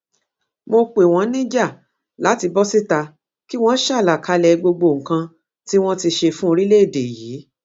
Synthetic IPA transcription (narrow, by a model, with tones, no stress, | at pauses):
mo˧k͡pe˨w̃ɔ̃˨˦nĩ˦d͡ʒa˦˨ | la˨˦ti˧bɔ˦si˦ta˧ | ki˦w̃ɔ̃˦ʃa˦˨la˨ka˧lɛ˨˧ɡ͡bo˧ɡ͡bo˧˨ŋ̩˨kã˧ | ti˦w̃ɔ̃˦ti˧ʃe˧fũ˦o˧ɾi˦le˦e˦˨de˨jiː˨˦